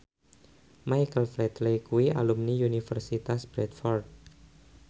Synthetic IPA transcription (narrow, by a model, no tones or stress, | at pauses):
majkəlflɛt̪lekuwia̰lumniunifərsit̪asbɾɛt̪fɔrd̪̚